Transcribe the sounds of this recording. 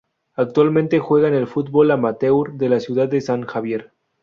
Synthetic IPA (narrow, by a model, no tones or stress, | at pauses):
ak̚t̪walmẽnt̪e̞xwe̞ɣ̞aene̞lfut̪̚bo̞lamat̪ewɾðe̞lasjuðad̪d̪esaŋxaβje̞ɾ